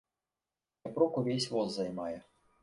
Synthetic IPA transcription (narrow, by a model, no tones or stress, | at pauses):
ɐpɾɔkʊʋʲɛsʲʋɔzzɐjmɑjɛ